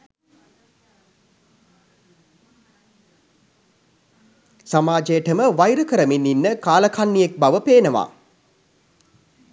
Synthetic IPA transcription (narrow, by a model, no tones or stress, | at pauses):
samaːd͡ʒejəʈəməʋajɾəkəɾəminːinːəkaːləkʰanːijek̚baʋəpeːnəʋa̰ː